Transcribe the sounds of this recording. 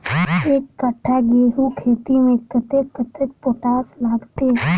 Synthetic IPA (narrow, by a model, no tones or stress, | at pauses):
eːkːəʈʰːaɡeːɦukʰeːt̪imẽkət̪ekːət̪ek̚poʈaːslaːɡt̪e